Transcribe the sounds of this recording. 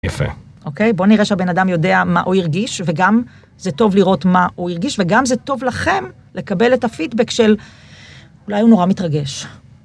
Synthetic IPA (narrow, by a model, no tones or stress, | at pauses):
jafḛ | ʔo̞ke̞jbo̞niʁeʃeabenadamjo̞de̞ama̰ʔuiʁɡiʃveɡam | zeto̞vliʁo̞tmaʔuiʁɡiʃveɡamzeto̞vlaχe̞m | le̞kabe̞le̞tafidbekʃe̞l | ulajhuno̞ʁamitʁaɡe̞ʃ